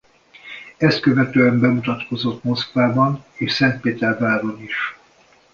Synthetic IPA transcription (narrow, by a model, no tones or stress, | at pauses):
ɛst̪̚køvɛt̪øːɛmbɛmut̪ɒt̪ko̞zo̞t̪mo̞skvaːbɒneːʃsɛnt̪peːt̪ɛrvaːɾo̞niʃ